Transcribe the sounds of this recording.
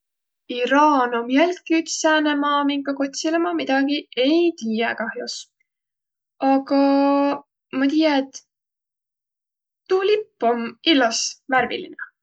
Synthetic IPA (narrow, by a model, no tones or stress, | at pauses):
iɾɑːnomjælt̪̚kiyt̪sæːnemɑːmiŋkɑko̞t̪ʲsilemɑmid̪̥ɑɡ̥ie̞jt̪iːjekɑhjus | ɑɡɑ | mɑt̪ijɑet̪ː | ulipːomilːɑsmærvḭlḭne